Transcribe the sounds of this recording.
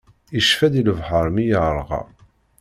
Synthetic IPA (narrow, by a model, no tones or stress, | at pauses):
iʃfæd̪iləvħəɾˤmijəɾˤʁɑ̰